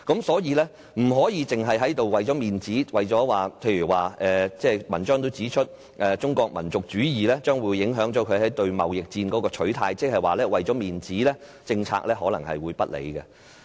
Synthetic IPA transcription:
kɐ˨˥msɔː˨˥jiː˨˧lɛː˥ | m̩˨˩ɦɔː˨˥jiː˨˧t͡sɪ˨ŋɦɐ˨jɦɐ˨˥jt̪o˨wwɐ˨jt͡sɔ˨˥miː˨nt͡siː˨˥wɐ˨jt͡sɔː˨˥waː˨pʰe˧jɥyː˨˩waː˨ʔɛː˨t͡sɛː˥˩mɐ˨˩nt͡ʃœː˥ŋt̪o˥wt͡siː˨˥t͡ʃʰɵ˥t̚ | ʔɛː˨t͡sʊ˥ŋkɔː˧k̚mɐ˨˩nt͡sʊ˨k̚t͡ʃyː˨˥jiː˨lɛː˥t͡ʃœː˥ŋwuː˨˧jːɪ˨˥ŋɦœː˨˥ŋt͡sɔː˨˥kʰɵ˨˧ɥhɐ˨˥jt̪ɵ˧ɥmɐ̰˨wjɪ˨k̚t͡siː˧nkɔː˨˧˥kɔː˧t͡ʃʰɵ˨˥ɥt̪ʰaː˧jt͡sɪ˥k̚hɐ˨jwaː˨˩lɛː˥wɐ˨jt͡sɔː˨˥miː˨nt͡siː˨˥lɛː˥t͡sɪ˧ŋt͡sʰa̰ː˧˥k̚lɛː˥ɦɔː˨˥lɐ˨˩ŋhɐ̰˨jwuː˨˧jpɐ˥t̚lḛ˨˧jɡɛ̰˧

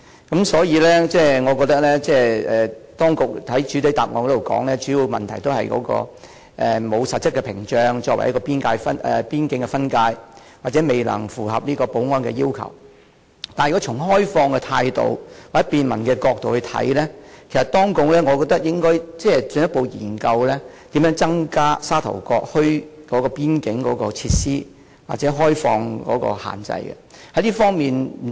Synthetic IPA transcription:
kɐ˨˥msɔː˨˥jiː˨˧lɛː˥t͡sɛː˥˩ŋɔː˨˧kɔː˧k̚t̪ɐ˥k̚lɛː˥t͡sɛː˥˩ɛː˨t̪ɔː˥ŋkʊ˨k̚hɐ˨˥jt͡ʃyː˨˥t̪e˨˥jt̪aː˨p̚ŋɔː˨˧kɔ˨˥t̪o˨wkɔ̰ː˨˥ŋlɛː˥t͡ʃyː˨˥ji˧wmɐ˨nt̪ʰɐ˨˩jt̪o˥whɐ˨jkɔ̰ː˨˥kɔ̰ː˧ | ʔɛː˨mo˨˧wsɐ˨t̚t͡sʰːɐ˥t̚kːɛ˧pʰɪ˨˩ŋt͡ʃœː˧ŋt͡ʃɔː˧k̚wɐ̰˨˩jɐ˥kɔː˧piː˥nkaː˧jfɐ˥nʔɛ̰˨piː˥nkɪ˧ŋkɛ˧fɐ˥nkaː˧j | waː˨˩t͡sɛː˨˥me˨jlɐ̰˨˩ŋfuː˨˩ɦɐ˨p̚niː˥kɔː˧po˨˥wŋɔː˥nkɛ̰˧jiː˥wkʰɐ̰˨˩w | t̪aː˨njy˨kɔ˨˥t͡ʃʰʊ˨˩ŋɦɔː˥jfɔː˧ŋkɛ˧t̪ʰaː˧jt̪o̰˨wwa˨˩ɛ˥piː˧nmɐ̰˨˩nkɛː˧kɔː˧k̚t̪o˨whɵ˧t̪ʰɐ̰˨˥jlɛː˥kʰe˨˩jsɐ˨t̪ɔː˥ŋkʊ˧˥ŋlɛː˥ŋɔ˨˧kɔː˧k̚t̪ɐ˥k̚jɪ˥ŋkɔː˥jt͡sɛː˥˩t͡sɵ˧njɐ˥t̚po˨˧wjḭː˨˩nkɐ˧wlɛː˥t̪iː˨˥mjœː˨˧˥ŋt͡sɐ˥ŋkaː˥saː˥t̪ʰɐ̰˨˩wkɔː˧k̚hɵ˥ɥkɔː˨˥kɔː˧piː˥nkɪ˨˥ŋkɔː˨˥kɔː˧t͡sʰiː˧t̚siː˥ | wa̰ː˨t̚t͡sɛː˨˥ɦɔː˥jfɔː˧ŋkɔ̰ː˨˥kɔ̰ː˧ha̰ː˨˩nt͡sɐ̰˧jɡɛ̰˧hɐ˨˥jliː˥fɔː˥ŋmiː˨n̩˨

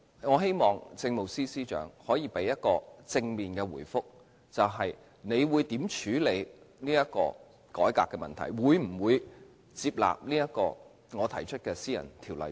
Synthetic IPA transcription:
ŋɔː˨˧ɦe˥jmɔː˨˩ŋt͡sɪ˧ŋmo˨wsiː˥siː˥t͡ʃœ̰ː˨˥ŋhɔː˨˥jiː˨˧pe˨˥jːɐ˥t̚kɔː˧t͡sɪ˧ŋmiː˨˩nkɛː˧wṵː˨˩jfʊ˥k̚ | t͡sɐ˨wɦɐ˨j | ne˨˧jwuː˨˧jt̪iː˨˥mt͡ʃʰyː˨˥le˨˧j | niː˥jɐ˥t̚kɔ̰ː˧ | kɔː˨˥jkaː˧kːɛː˧mɐ˨nt̪ʰɐ̰˨˩jwuː˨˧jm̩˨˩wuː˨˧j | t͡siː˧p̚la̰ː˨p̚niː˥jɐ˥t̚kɔː˧ | ŋɔː˨˧t̪ʰɐ˨˩jt͡ʃʰɵ˥t̚kɛː˧siː˥jɐ̰˨˩nt̪ʰiː˨˩wlɐ̰˨˩j

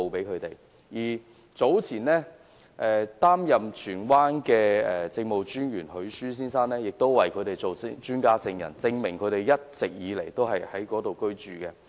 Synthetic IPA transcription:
o˨wpe˨˥jkʰɵ˨˧ɥt̪e˨j | jiː˨˩ | t͡so˨˥wt͡sʰiː˨˩nlɛː˥ | ʔɛː˨t̪aː˥mjɐ˨mt͡ʃʰyː˨˩nwaː˥nkɛː˧ɛː˨˩t͡sɪ˧ŋmo˨wt͡ʃyː˥njyː˨˩nhɵ˨˧˥ɥsyː˥s̬iː˥nsaː˥nlɛː˥jɪ˨k̚t̪o˥wwɐ˨˩jkʰɵ˨˧t̪e˨jt͡so˨wt͡ʃyː˥nkaː˥t͡sɪ˧ŋjɐ̰˨˩nt͡sɪ˧ŋmɪ˨˩ŋkʰɵ˨˧˥t̪e˨jɐ˥t̚t͡sɪ˨k̚jiː˨˧le˨˩jt̪o˥wɦɐ˨jhɐ˨˥jkɔː˨˥t̪o˨wkɵ˥ɥt͡ʃyː˨kɛ˧

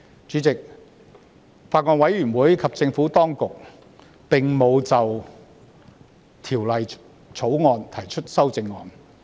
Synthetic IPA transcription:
t͡ʃyː˨˥t͡sɪ˨k̚ | faː˧t̚ŋɔː˧nwɐ˨˥jɥyː˨˩nwuː˨˥jkʰɐ˨p̚t͡sɪ˧ŋfuː˨˥t̪ɔː˥ŋkʊ˨k̚ | pɪ˨ŋmo˨˧wt͡sɐ˨w | t̪ʰiː˨˩wlɐ˨j | t͡ʃʰo˨˥wŋɔː˧nt̪ʰɐ˨˩jt͡ʃʰɵ˥t̚sɐ˥wt͡sɪ˧ŋːɔː˧n

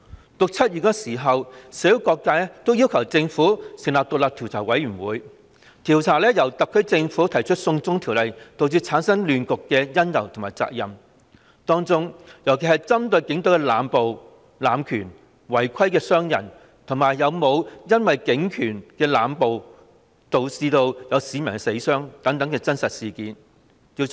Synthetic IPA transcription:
t̪ʊ˨k̚t͡sʰɐ˥t̚jyː˨˩kɔː˧siː˨˩ɦɐ˨wse˨˥jo˨˥wkɔː˧kːaː˥lɛ˥t̪o˥wjiː˥wkʰɐ˨˩wt͡sɪ˧ŋfuː˨˥sɪ˨ŋlaː˨p̚t̪ʊ˨k̚laː˨p̚t̪ʰi˨˩wt͡sʰaː˨˩wɐ˨˥jyː˨˩nwuː˨˥j | t̪ʰiː˨˩wt͡sʰaː˨˩lɛː˥jɐ˨˩wt̪ɐ˨kʰːɵ˥t͡sɪ˧ŋfuː˨˥t̪ʰɐ˨˩jt͡ʃʰɵ˥t̚sʊ˧ŋt͡sʊ˥ŋt̪ʰi˨˩wlɐ˨jt̪o˨˧wt͡syː˥t͡sʰaː˨˥nsɐ˥ŋlyː˨nkʊ˨kːɛː˧jɐ˥njɐ˨˩wt̪ʰʊ˨˩ŋmaː˨˩jt͡sa̰ː˧k̚jɐ˨m | t̪ɔː˥ŋt͡sʊ˥ŋjɐ˨˩wkʰe˨˩hɐ˨jt͡sɐ˥mt̪ɵ˧ɥkɪ˨˥ŋt̪o˧˥wkɛ˧laː˨mpo˨w | laː˨˧mkʰyː˨˩n | wɐ˨˩jkʰɐ˥jkɛː˧sœː˥ŋjɐ̰˨˩n | t̪ʰʊ˨˩ŋmaː˨˩jjɐ˨˧wmo˨˧wjɐ˥nwɐ˨jkɪ˨˥ŋkʰyː˨˩nkɛː˧laː˨˧mpo˨˧w | t̪o˨wsiː˧t̪o˧wjɐ˨˧wsiː˨˧mɐ˨˩nŋ˥se˨˥jsœː˥ŋt̪ɐ˨˥ŋt̪ɐ˨˥ŋkɛː˧t͡sɐ˥nsɐ˨t̚siː˨kiː˨˥n | i˧

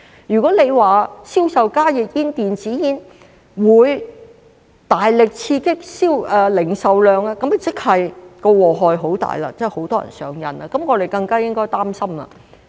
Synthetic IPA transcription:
jyː˨kɔː˨˥le˨˧jwaː˨siː˥wsɐ˨wkaː˥jɪ˨k̚jiː˥nt̪iː˨nt͡siː˨˥jiː˨˥n | wuː˨˧j | t̪aː˨jlɪ˨k̚t͡sʰiː˧kɪ˥k̚siː˥wɛː˨lɪ˨˩ŋsɐ˨wlœː˨˧ŋa˧kɐ˨˥mɐ˨t͡sɪ˥k̚hɐ˨jkɔ˧wɔː˨˩ɦɔː˨jɦo˨˥wt̪a̰ː˨jla̰ː˧t͡sɛ˥˨ho˨˥wt̪ɔː˥jɐ̰˨˩nsœ̰ː˨˧ŋjɐ̰˨na˧kɐ˨˥mŋɔː˨˧ɾe˨jkɐ˧ŋkaː˥jɪ˥ŋkɔː˥jt̪aː˥msɐ˥mlɐ̰ː˧

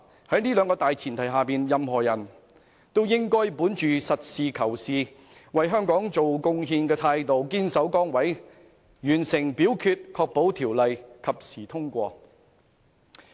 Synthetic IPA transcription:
hɐ˨˥jniː˥lœː˨˧ŋkɔː˧t̪aː˨jt͡sʰiː˨˩nt̪ʰɐ˨˩jɦaː˨piː˨njɐ˨mhɔː˨˩jɐ˨˩n | t̪o˥wjɪ˥ŋkɔː˥jpuː˨˥nt͡ʃyː˨sɐ˨t̚siː˨kʰɐ˨˩wsiː˨ | wɐ˨jɦœː˥ŋkɔː˨˥ŋt͡so˨wkʊ˧ŋɦiː˧nkɛː˧t̪ʰaː˧jt̪o˨wkiː˥nsɐ˨˥wkɔː˥ŋwɐ˨˥j | jyː˨˩nsɪ˨˩ŋpiː˨˥wkʰyː˧t̚kʰɔː˧k̚po˨˥wt̪ʰiː˨˩wlɐ˨jkʰɐ˨p̚siː˨˩t̪ʰʊ˥ŋkʷɔː˧

